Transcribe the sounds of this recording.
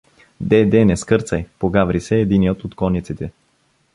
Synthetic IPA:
d̪ɛd̪ɛnɛskɤɾt̪sɐjpoɡavɾisɛːd̪inijot̪ot̪kɔnit̪sit̪ɛ

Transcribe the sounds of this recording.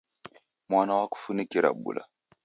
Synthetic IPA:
mʷanawaku̥funəkiɾa̰bṵla̰

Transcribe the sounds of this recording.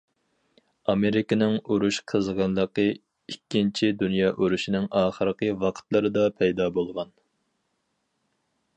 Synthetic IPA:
ɑmeɾɪkɪnɪŋuɾuʃqʰəzʁɑnlˠəqə | ikʲːint͡ʃʰid̪unjɑːʔuɾuʃinɪŋɑːχəɾəqəwɑqʰt̪lˠɨɾɨd̪ɑpʰɛjd̪ɑːbolˠʁɑn

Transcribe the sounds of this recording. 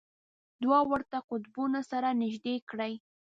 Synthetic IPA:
d̪wɑwəɾt̪aqʊt̪bunasaɾanɪʒd̪ekɽəj

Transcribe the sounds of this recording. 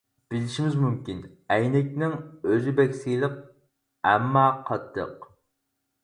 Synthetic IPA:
b̥ɪlɪʃimɪzmymkʲin | ɛjnɪkʲnɪŋøzɪbɛkʲsilˠəq̚ | ɛ̰mːɑqʰɑt̪ʰːə̰q

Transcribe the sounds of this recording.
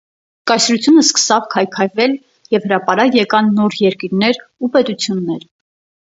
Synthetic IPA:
kɑjsɾut͡sʰjunəskə̥sɑvkʰɑjkʰɑjvɛl | jɛvhəɾɑpɑɾɑjɛkɑnːɔɾjɛɾkiɾnɛɾupɛt̪ut͡sʰjunːɛɾ

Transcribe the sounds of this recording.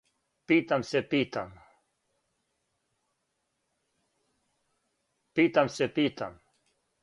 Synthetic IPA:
piːt̪amsepiːt̪am | piːt̪amsepiːt̪am

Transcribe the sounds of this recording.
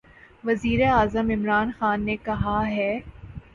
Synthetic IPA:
ʋɐziːɾeaːzəmɪmɾaːnxaːnːekɐɦaɦɛː

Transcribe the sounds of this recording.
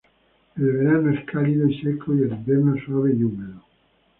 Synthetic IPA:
elβeɾanoeskʰaliðonsekʰojelibeɾnosaβeʎumeðo

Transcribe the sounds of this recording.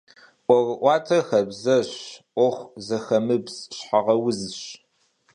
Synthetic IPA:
ʔʷɔrʔʷɑːtʰɐxɐbzɐɕʔʷɔχʷzɐxɐmɨbzɕħaʁɐwʊzɕ

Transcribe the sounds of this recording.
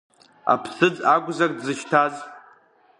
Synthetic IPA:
a̰pʰsɨd͡zaɡʷzakʼdzɨʃtʰaz

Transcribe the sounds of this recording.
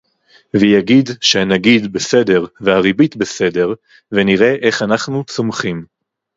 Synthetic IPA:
vejaɡid̪ʃeanaɡid̪bese̞de̞ʁveaʁibitbese̞de̞ʁ | veniʁe̞ʔeχanaχnut͡somχim

